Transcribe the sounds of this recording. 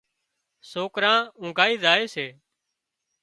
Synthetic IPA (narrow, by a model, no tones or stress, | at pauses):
soːkɾãːʊ̃ːɡʱaːiːzaːeːseː